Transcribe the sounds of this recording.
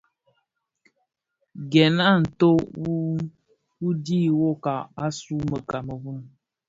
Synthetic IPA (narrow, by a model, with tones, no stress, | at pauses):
ɡɛ˨na˦˨n̩˨to˦wu˦ | wu˦di˦wo˦ka˨a˦su˦mə˨ka˨mə˨βu˦m